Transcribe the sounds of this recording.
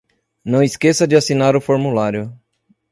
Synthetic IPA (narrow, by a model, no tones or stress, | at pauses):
nɐ̃w̃iskesɐd͡ʒɪasinaɾʊfoɾmulaɾjʊ